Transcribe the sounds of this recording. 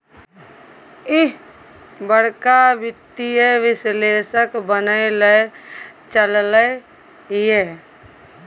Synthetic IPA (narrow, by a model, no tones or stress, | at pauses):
ɪɦ | bəɽ̤kabɪt̪ijeʋɪsleːsəkbənəeləjt͡ʃəlləj | je